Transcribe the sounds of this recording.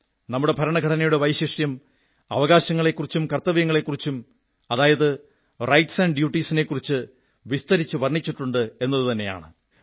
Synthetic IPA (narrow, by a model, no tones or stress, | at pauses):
nɐmːuɽe̞pɐɾɐɳɐɡʱɐʈʰɐnɐjuɽe̞ʋɐjɕɐʂjɐm | ɐ̰ʋɐɣaːɕɐŋːɐɭe̞kːurit͡ɕːumkɐrt̪ːɐʋijɐŋːɐɭe̞kːurit͡ɕːum | ɐðaːjɐðɨ | rɐjʈsɐɳɖɖjuːʈːiːsine̞kːurit͡ɕːɨ | ʋist̪ɐɾit͡ɕːuʋɐrɳit͡ɕːiʈːuɳɖɨe̞nːɐðɨt̪ɐnːe̞ja̰ːɳɨ